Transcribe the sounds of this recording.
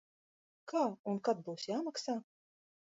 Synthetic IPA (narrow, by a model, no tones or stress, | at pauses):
kaːunkat̪̚buwsjaːmaksaː